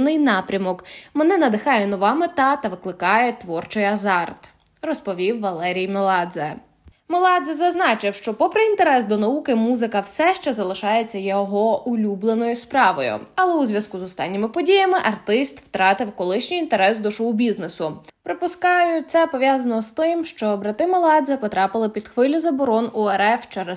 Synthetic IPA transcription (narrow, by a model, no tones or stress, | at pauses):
nɪjnɑpɾʲɐmɔkmenɛnɐd̪ɪxɑjɛnɔʋɑmɪt̪ɑt̪ɐʋɪklˠɪkɑjɛt̪ʋɔrt͡ʃɔjɐzɑrt̪ | rɔspɔʋʲiwːɐlˠɛɾʲijmelˠɑd̪zɛ | melˠɑd̪zɛzɐznɑt͡ʃɪwʃt͡ʃɔpɔpɾɪint̪eɾɛsd̪ɔnɐukɪmuzɪkɐwsɛʃt͡ʃɛzɐlˠɪʃɑjet͡sʲːɐjɔɦɔʊlʲublˠenɔjʊspɾɑʋɔ̰jʊ̰ɐlˠɛuzʲʋʲjɐskuzɔst̪ɑ̰nʲːɪmɪpɔdʲijɐmɪʔɐrt̪ɪst̪wt̪ɾɑt̪ɪwkɔlˠɪʃnʲijint̪eɾɛsd̪ɔʃɔɦʊbʲiznesʊpɾɪpʊskɑjʊt̪sɛpɔʋjɑzɐnɔst̪ɪmʃt͡ʃɔbɾɐt̪ɪmelˠɑd̪zɛpɔt̪ɾɑpɪlˠɪpʲid̪̥xʋɪlʲʊzɐbɔɾɔnueɾɛft͡ʃɛɾɛ